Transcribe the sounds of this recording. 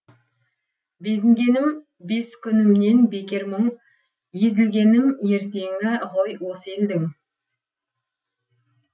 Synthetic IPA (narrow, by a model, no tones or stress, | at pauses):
be̞zɪŋɡʲe̞nɪm | be̞skʲʰʏnɪmne̞nbe̞kʲe̞ɾməɴ | je̞zɪlɡʲe̞nɪmje̞ɾt̪e̞ŋɪʁojwose̞ld̪ɪŋ